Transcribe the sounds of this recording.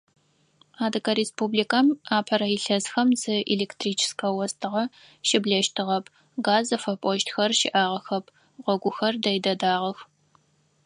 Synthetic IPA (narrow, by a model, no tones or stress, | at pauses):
aːdɨkɐɾespuːblikʰamaːpʰɐɾɐjɪɬɐzxɐmzɨʔileːktʰriːt͡ʃʰɪ̥skʰɐwɐstʰɨʁɐ | ʃɪbɮɐʃtʰɨʁɐp̚ʰ | ɡaːzɐfɐpʼɔʃtxɐrʃɪ̰ʔaːʁɐxɐp̚ʰ | ʁʷɔɡʷʊxɐrdɐjdɐdaːʁɐx